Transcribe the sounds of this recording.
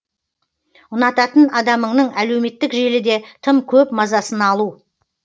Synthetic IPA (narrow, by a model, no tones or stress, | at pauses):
ʊnɑt̪ɑt̪ənɑd̪ɑməɴnəɴæle̞wme̞t̪ːɪkʒe̞lɪd̪e̞t̪ʰəmkʲʰɵpmɑzɑsənɑlˠu